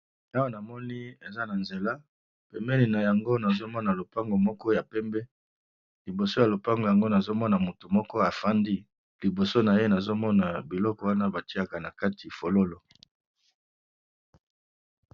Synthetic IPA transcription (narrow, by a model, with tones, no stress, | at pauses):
a˦wa˦˨na˨mɔ˦ni˦e˨za˦na˨nze˨la˦ | pɛ˨mbɛ˦ni˨na˨ja˨ŋɡo˦na˨zo˦mɔ˦na˨lo˨pa˦ŋɡo˨mɔ˦kɔ˦ja˨pɛ˦mbɛ˦ | li˨bo˨so˦ja˨lo˨pa˦ŋɡo˨ja˨ŋɡo˦na˨zo˦mɔ˦na˨mu˨tu˨mɔ˦kɔ˦a˨fa˦ndi˦ | li˨bo˨so˦na˨je˦na˨zo˦mɔ˦na˨bi˨lɔ˦kɔ˨wa˦na˦ba˨ti˦a˨ka˨na˨ka˦ti˨fo˨lo˦lo˨